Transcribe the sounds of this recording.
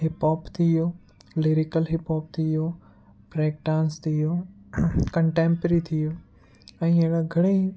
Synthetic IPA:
ɦɪpɔːpt̪ʰijo | liɾɪkəlɦɪpɔːp̚t̪ʰijo | pɾeːk̚ʈãːnst̪ʰijo | kɐ̃ɳʈẽːmpɾit̪ʰijo | ɛ̃ːeɽaɡʱɐɽ̃e

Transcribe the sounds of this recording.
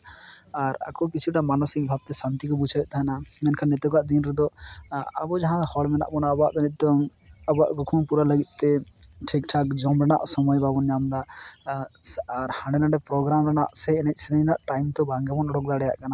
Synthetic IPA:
aɾa̰kɔkit͡ʃʰiʈamanɔsikbʱab̚t̪ɛsant̪ikɔbud͡ʒʰʱajɛt̪aɦɛnamɛnkʰanːɛt̪ɔkaʔd̪inɾɛd̪ɔ | a̰bɔd͡ʒaɦãhɔlmɛna̰ʔmɔnabɔaʔd̪ɔnɛt̪̚d̪ɔŋ | abɔaʔɡɔkʰuŋpuɾaləɡit̪̚ˀt̪ɛʈʰik̚ʈʰak̚d͡ʒɔmɾɛna̰ʔsɔmɔjbabɔnjamd̪a | aɾhaɳɖɛnaɳɖɛpɾɔɡɾamɾɛnaʔsɛɛnɛc̪̚ˀsɛnɛnaʔʈajmt̪ɔbaŋɡɛbɔnɔɽɔk̚d̪aɽɛjaʔkana

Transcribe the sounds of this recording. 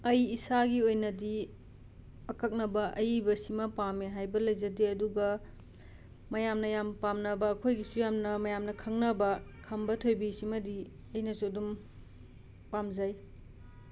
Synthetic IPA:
ɐjisaɡiojnɐdi | ɐkɐk̚nɐbɐʔɐjbɐsimɐpameɦajbɐlɐjzɐdeɐduɡɐ | mɐjamnɐjampamnɐbɐːkʰojɡisujamnɐmɐjamnɐkʰɐŋnɐbɐkʰɐmbɐtʰojbisimɐdi | ɐjnɐsudum | pamzaj

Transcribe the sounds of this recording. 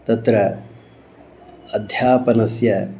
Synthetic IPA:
t̪ɐt̪ɾɐ | d̪ʱjaːpɐnɐsjɐ

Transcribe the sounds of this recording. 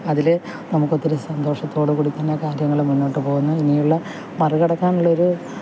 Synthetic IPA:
ɐðile | nɐmukːo̞t̪ːiɾesɐnd̪o̞ːʂɐt̪ːo̞ːɽɨkuːɽit̪ːɐnːekaːɾjɐŋːɐɭmunːo̞ːʈːɨpo̞ːɣunːɐinijuɭːɐ | mɐrɨɣɐɽɐkːaːnuɭːɐo̞ɾu

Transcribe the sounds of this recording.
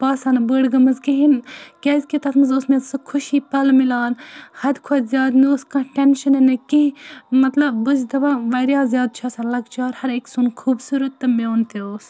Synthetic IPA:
paːsɐnbəɽɡɐmɐzkiɦinkʲɛːzʲkit̪ɐt̪ʰmɐzoːsmesɨkʰuʃiːpɐlmilaːnhɐd̪ʲkʰɐt̪zʲjaːd̪nioskɐ̃ʈenʃɐnɐnɐkiɦĩmɐt̪lɐbbɨzd̪ɐbaʋɐɾjaːzjaːd̪̚t͡ʃʰaːsɐlɐɡt͡ʃʰaːɾhɐɾeksunkʰuːbsuɾɐt̪ːɐmeːnt̪eoːs

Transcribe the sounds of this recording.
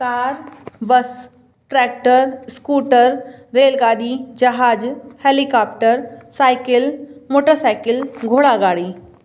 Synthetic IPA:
kaːɾbəs | ʈɾɛːk̚ʈəɾskuːʈəɾːeːlɡaːɽid͡ʒɐɦaːd͡ʒheːlikaːpʈəɾsaːjɪkɪlmoːʈəɾsaːɪkɪlɡʱoːɽaɡaːɽi

